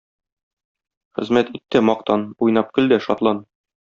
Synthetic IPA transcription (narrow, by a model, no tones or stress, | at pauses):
χɘ̆zmæt̪it̪ːɘmɒqt̪ɑnujnɑp̚kɵ̆ld̪æʃɒt̪lˠɑn